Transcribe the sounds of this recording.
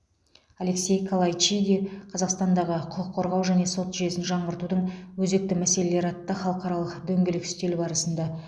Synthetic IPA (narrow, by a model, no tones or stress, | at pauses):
ale̞kse̞jkʰolˠajijd̪eqʰɑzɑqst̪ɑnd̪ɑʁəqʰʊqəqʰːoɾʁɑwʒæne̞sot̪ʒʏje̞sɪnʒɑɴbəɾt̪ud̪əɴwɵze̞k̚t̪ɪmæse̞le̞le̞ɾɑt̪ːəχɑlˠəqɑɾɑlˠəqd̪ɵŋɡʲelɪkɪ̥st̪e̞lɪbɑɾəsənd̪ɑ